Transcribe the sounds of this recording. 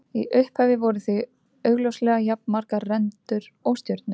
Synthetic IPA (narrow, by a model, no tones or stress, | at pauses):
iʔʏhphɛjvɪvɔɾʏθʏ | œːɥɣlowslɛɣajap̚nmaɾkarɛnt̪ʏɾɔwst̪jœɾt̪̚nʏ